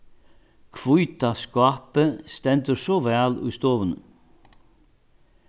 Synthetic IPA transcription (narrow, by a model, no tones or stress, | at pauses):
kʰʋʊʏt̪ɑskɑːpəst̪ɛnt̪əɾsoːʋæːlʉ̰ːst̪oːʋənə